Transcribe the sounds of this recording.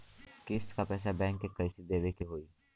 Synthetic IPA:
kɪsʈkapɛːs̬abɛ̃ːŋkːekəɪʃɪd̪eːʋekiɦoːiː

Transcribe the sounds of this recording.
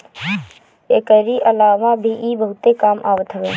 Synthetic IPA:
eːkəɾiʔəlaːʋabʱiːʔiːbəɦʊt̪ekaːma̰ːʋət̪ɦəʋeː

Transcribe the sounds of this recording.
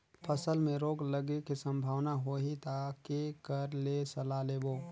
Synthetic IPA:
pʰəsəlmẽɾoːɡləɡekisə̃mbʱaːwnaɦoɦit̪akekəɾlesəlaleːboː

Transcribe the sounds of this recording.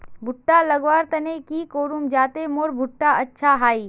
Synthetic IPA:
bʱʊʈːalɐɡʋaːɾt̪ɐnekikoːɾumd͡ʒaːt̪emoːɾbʱʊʈːaɐtːʃʰaɦaːiː

